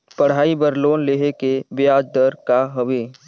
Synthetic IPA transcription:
pəɽ̤aːibəɾloːnleːɦekebɪjaːd͡ʒd̪əɾkaɦəʋeː

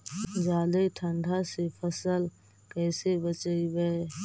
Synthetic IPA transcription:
d͡ʒaːd̪aiʈʰə̃ɳɖʱasepʰəsəl | kɛːsebət͡ʃəibɛ

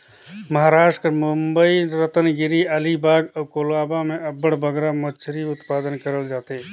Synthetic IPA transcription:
mɐɦaːɾaːʃʈkɐɾmʊmbəiɾət̪ənɡɪɾiɐlibaːɡəkoːlaːbamẽɐbəɽbəɡɾamɐt͡ʃʰɾiʊt̪paːd̪ənkəɾəld͡ʒaːt̪eː

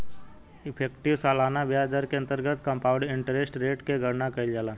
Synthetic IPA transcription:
ɪpʰeːkʈɪʋsalaːnaʋjaːd͡ʒəɾkeɐ̃nt̪əɾɡət̪ʰkə̃mpaːʊɖɪ̃ɳʈəɾesʈɾeːʈkeɡʱəɾnakəild͡ʒaːlaː

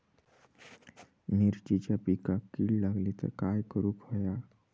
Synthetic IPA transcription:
miɾt͡ɕit͡ɕapikakːiːɭlaɡlit̪ə̰ɾkajkəɾuːkɦoja

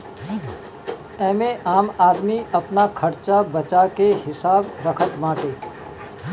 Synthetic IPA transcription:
ɛ̃ːmẽʔaːmaːd̪miəpnakʰəɾt͡ʃabət͡ʃakehɪsaːbɾəkʰət̪mãːʈe

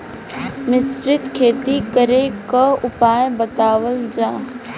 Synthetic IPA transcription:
nɪsɾɪt̪kʰeːt̪ikəɾekaʊpaːjbət̪aːwəld͡ʒãː

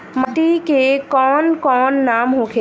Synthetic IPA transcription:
məʈikekɔːnkɔːnːamɦõkʰe

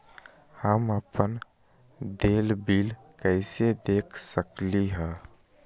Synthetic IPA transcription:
həməpən | d̪eːlbiːl | kəɪsed̪eːkʰsəkliɦɛ̃

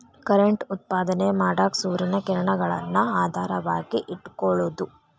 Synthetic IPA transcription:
kɐɾeɳʈut̪̚paːd̪ɐnemaːɽaːksuːɾinɐkɛɾɐɳɐɡɐɭɐ̰nːuaːd̪ʱaːɾɐʋaːɡiʔiʈːkɔɭud̪u

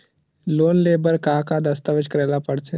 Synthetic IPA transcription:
loːnleːbəɾkaːkad̪əst̪əʋəd͡ʒkəɾɛːlapəɽt͡ʃʰe

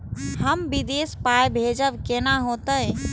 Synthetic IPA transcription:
həmʋid̪eːspaːjbʱeːd͡ʒəʋkenaɦoːt̪əɦɛ̃

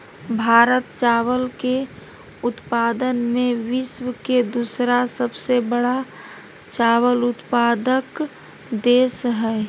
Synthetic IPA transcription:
bʱaːɾət̪̚t͡ʃaːwəlke | ʊt̪paːd̪ənmẽʋɪʃwəked̪usɾasəbsebəɽa | t͡ʃaːwəlʊt̪paːd̪ək | d̪eːsɦɛ

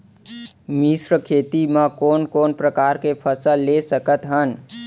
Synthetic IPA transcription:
misɾəkʰet̪imə̃konkonpɾəkaɾkepʰəsəlːesəkət̪ɦən

